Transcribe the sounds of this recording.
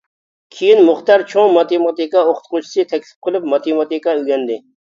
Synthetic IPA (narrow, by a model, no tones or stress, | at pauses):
kʲʰijinmʊχt̪ɑɾt͡ʃʰoŋmɑt̪emɑt̪ikɑoχʊ̥t̪qot͡ʃʰi̥sɨt̪ʰɛkʲsɪ̥p̚qəlˠyp̚mɑt̪ʰemɑt̪ikɑyɡʲɛnd̪ɪ